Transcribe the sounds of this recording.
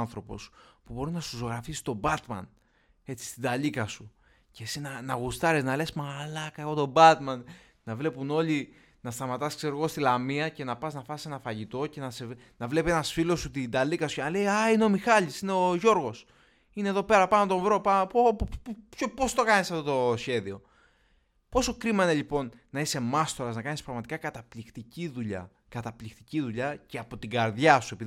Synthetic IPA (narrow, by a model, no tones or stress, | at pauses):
nθɾo̞po̞̰spubo̞ɾiznɐsusoɣɾɐfisst̪o̞bɐt̪mɐ̰n | e̞t͡si̥st̪id̪ɐlikɐsu | ce̞sinɐnɐɣust̪ɐɾeznɐle̞smɐlɐkɐeɣo̞t̪o̞bɐt̪mɐn | nɐvle̞puno̞li | nɐst̪ɐmɐt̪ɐskse̞ɾoɣo̞st̪ilɐmiɐce̞nɐpɐznɐfɐse̞nɐfɐʝit̪o̞ce̞nɐse | nɐvle̞pienɐsfilo̞sut̪id̪ɐlikɐsu̥cenɐle̞jɐineo̞mixɐʎisine̞oʝo̞ɾɣo̞s | ineðo̞pe̞ɾɐpɐnot̪o̞vɾo̞pɐpopçopo̞st̪o̞kɐnisɐft̪o̞t̪o̞sçe̞ðio̞ | po̞so̞kɾimɐineʎipo̞nːɐise̞mɐst̪o̞ɾɐznɐkɐnispɾɐɣmɐt̪i̥kɐkɐt̪ɐplikt̪iciðuʎɐ̰ | kɐt̪ɐplikt̪iciðuʎɐceɐpo̞t̪iɡɐɾðʝɐsue̞pið